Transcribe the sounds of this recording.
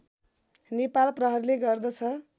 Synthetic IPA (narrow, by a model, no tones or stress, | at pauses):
nepalprʌɦʌɾileɡʌrd̪ʌt͡sʰʌ